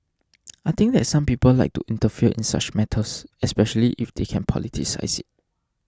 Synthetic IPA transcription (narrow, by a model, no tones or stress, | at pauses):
ajt̪ɪ̃ŋk̚d̪ɛtsãmpipəllaɪk̚tuʔĩntəfiəʔɪ̰̃nsa̰t͡ʃmɛtʰəsɛspɛʃəliʔifd̥̪ekʰɛ̃npʰɔ̰litʰḭsa̰ɪsɪt̚